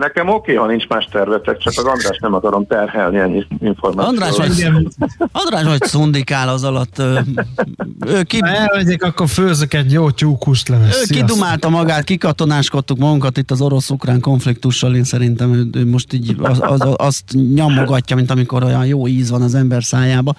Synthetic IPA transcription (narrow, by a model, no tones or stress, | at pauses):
nɛkɛmokeːhɒnint͡ʃmaːʃt̪ɛrvɛt̪ɛkt͡ʃɒkɒzɒnd̪raːʃt̪nɛmɒkɒɾomt̪ɛrhɛlniɛɲːiiɱformaːɒnd̪raːʃʋɒɡɛɒnd̪raːʃocsund̪ikaːlɒzɒlɒt̪ːøː | øːkiɛlvɛɟeːkɒkːorføːzøkɛt̪joːcuːkuʃt̪lɛvɛøːkid̪umaːlt̪ɒmɒɡaːt̪kikɒt̪o̞naːʃko̞t̪ːukmɒɡuŋkɒt̪it̪ːɒzo̞ɾo̞sukraːŋko̞ɱflik̚t̪uʃːɒleːnsɛɾint̪ɛmøøːmo̞ʃt̪iːɟʔɒst̪ɲɒmoɡɒcːɒmint̪ɒmiko̞ɾojɒnjoːiːzʋɒnɒzɛmbɛrsaːjaːbɒ